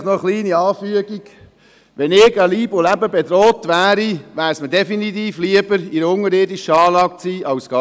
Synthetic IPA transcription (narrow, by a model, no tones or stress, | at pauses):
nɔəχliːniɑːfyəɡiɡ̥ | ʋɛnɪɡəliːbolæbəbedɾoːt̪ʋæːɾiʋæːɾsmədɛfinit̪iːfliəbəɾiɾəʊŋəɾɪːdiʃəɑːlɑːk̚t͡siːʔɑwsɡ̥ɑ